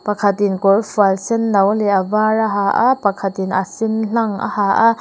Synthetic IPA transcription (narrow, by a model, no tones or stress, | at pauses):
pɐkʰɐt̪inkɔrfualsɛnːɐwlɛʔavaraɦaʔapɐkʰɐt̪inʔa̰sinɬɐŋa̰haʔa